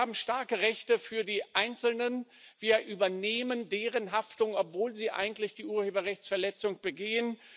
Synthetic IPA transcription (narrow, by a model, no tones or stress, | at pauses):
aːbm̩ʃtaɐkəʁɛçtəfyːɐdiːʔaɪnt͡sl̩nən | v̥iːɐʔyːbɐneːməndeːʁənɦaftʊŋɔpv̥oːlziːʔa̰ɪɡŋ̩tlɪçd̥iːʔuːɐheːbɐʁɛçt͡sfɛɐlɛt͡sʊŋb̥əɡeːən